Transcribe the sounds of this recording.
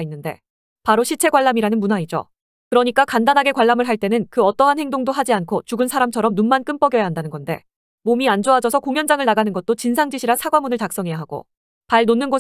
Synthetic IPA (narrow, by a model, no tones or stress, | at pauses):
inːɯnde̞ | paɾoɕʰit͡ɕʰe̞ɡwaɭːamiɾanɯnmunaid͡ʑo̰ | kɯɾʌɲik͈akandanɦaɡe̞kwaɭːamɯɭɦaɭt͈e̞nɯnkɯʌt͈ʌɦanhe̞ŋdoŋdoɦad͡ʑiankʰot͡ɕuɡɯnsʰaɾamt͡ɕʰʌɾʌmnunmank͈ɯmp͈ʌɡjʌjaɦandanɯnɡʌnde̞̰ | momiand͡ʑoad͡ʑʌsʰʌkoŋjʌnd͡ʑaŋɯɭnaɡanɯnɡʌt̚t͈ot͡ɕinsʰaŋd͡ʑiɕʰiɾasʰaɡwamunɯɭtak̚s͈ʌŋɦe̞jaɦaɡ̥o̰ | paɭnonːɯnɡo